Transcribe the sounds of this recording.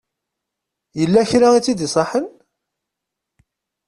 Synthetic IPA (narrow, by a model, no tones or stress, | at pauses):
jəlːæçɾait͡sːid̪isˤɑħən